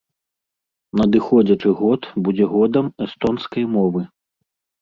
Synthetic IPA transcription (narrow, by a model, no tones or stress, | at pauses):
nɐd̪ɨxɔd͡zʲɐt͡ʂɨɣɔt̪bud͡zʲɛɣɔd̪ɐmɛst̪ɔnskɐjmɔvɨ